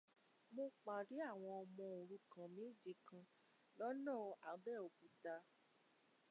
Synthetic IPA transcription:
mo˧k͡pa˨ɾi˨˦a˦˨w̃ɔ̃˧ɔ˧mɔ̃˧o˨ɾu˧˦kã˨mĩ˨˦˨d͡ʒi˧kã˧ | lɔ˦nã˦˨a˨˦bɛ˦˨o˨bu˨˦da˧

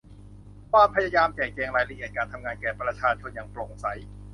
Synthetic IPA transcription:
kʰwaː˧mpʰa˧ja˧jaː˧mt͡ɕɛː˨˩kɛː˧˩ŋɾaː˧jɾa˧ʔi˨˩ət̪̚kaː˧nt̪ʰa˧mŋaː˧nkɛː˨˩pɾa˧t͡ɕʰaː˧t͡ɕʰo˧nja˧˩ŋplo˨˩ŋsa˩˦j

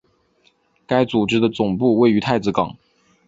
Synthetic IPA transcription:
ka˥ɪt͡su˨˩ʈ͡ʂɻ̩˥d̪ə˨t͡sʊ˨˩ŋpu˥˧we˥˩ɪy˧˥t̪ʰa˥˧ɪt͡sɹ̩˧˥kɑ̰˨˩˦ŋ

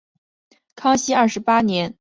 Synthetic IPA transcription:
kʰɑ˥ŋɕi˥ɐ˞˥˩ʂɻ̩˧˥pa˥njɛ˧˥n

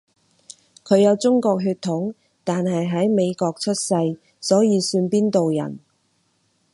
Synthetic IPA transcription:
kʰɵ˨˧ɥjɐ˨˧wt͡sʊ˥ŋkɔː˧k̚ɦyː˧t̪ʰːʊ˨˥ŋ | t̪aː˨nɦɐ˨jɦɐ˨˥jme˨˧jkɔː˧k̚t͡ʃʰɵ˥t̚sɐ˧j | sɔː˨˥jiː˧syː˧npiː˥nt̪o˨wjɐ̰˨˩n

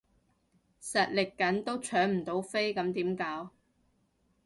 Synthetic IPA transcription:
sɐ˨t̚lɪ˨kːɐ˨˥nt̪o˥wt͡ʃʰœː˨˥ŋm̩˨˩t̪o˨˥wfe˥jkɐ˨˧˥mt̪iː˨˥mkaː˨˥w

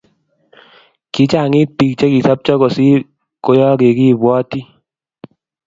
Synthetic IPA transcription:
kɪ˨˦t͡ʃa˦˨ŋi˦t̚pi˨k̚t͡ʃɛ˦ki˨sa˦p̚t͡ʃɔ˦kɔ˨si˦ | ko˦jɔ˦ke˨ki˦˨bwɔ˦ti˦

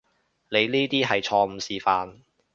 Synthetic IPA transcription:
le˨˧jniː˥t̪iː˥ɦɐ˨jt͡ʃʰɔː˧m̩˨˧siː˨˩faː˨n

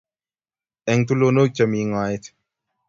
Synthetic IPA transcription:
ɛ˨ŋt̪u˦lono˦k̚t͡ʃɐmiː˨ŋaː˨jet̪

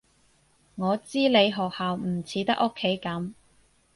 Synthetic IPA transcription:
ŋɔː˨˧t͡siː˥le˨˧jɦɔː˨k̚haː˨wm̩˨˩t͡sʰiː˨˥t̪ɐ˥k̚ʔo˥kʰːe˨˥jkɐ˨˥m

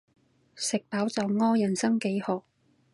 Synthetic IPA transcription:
sɪ˨k̚paː˨˥wt͡sɐ˨wŋɔː˥jɐ˨˩nsɐ˥ŋke˨˥jhɔː˨˩k̚

